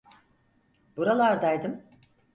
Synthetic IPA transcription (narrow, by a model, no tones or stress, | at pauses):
buɾalˠaɾd̪ajd̪ɯm